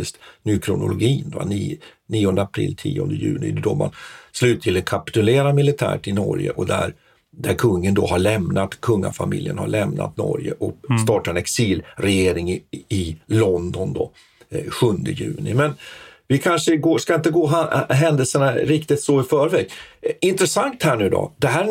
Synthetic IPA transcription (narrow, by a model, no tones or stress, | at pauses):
ɪst̪nyːkʰɾʊnʊlʊɡiːndva̰niniːɔnd̪əapʰɾɪ̰lːt̪ʰiːɔnd̪əjʉ̟ːnɪd̪ɔma̰nslʉ̟ːt̪ʰːɪlɛkʰapɪ̥t̪ɵleːɾamɪlɪt̪ʰæ̰ːʈɪnɔɾjə̰ʔɔd̪æɾ | d̪æɾkʰɵŋːənd̪ɔɦaɭɛmnat̪kʰɵŋːa̰famɪljə̰nha̰ɭɛmnʔa̰t̪nɔ̰ɾjə̰ʔɔst̪ɑːʈaɾɛnɛksiːlɾɛjeːɾɪŋɪlɔnd̪ɔnd̪ɔ | ɧɵnd̪əjʉ̟ːnɪmɛnvɪkʰanʂəɡoːskaɪnt̪̬əɡoːɦaɦɛnd̪əlsəɳaɾɪkt̪ɪt̪sɔɪfœːɾvɛːɡɪnt̪ɾɛsaŋkt̪hæːɳʉ̟ːd̪ɔ̰d̪̥ɛɦæː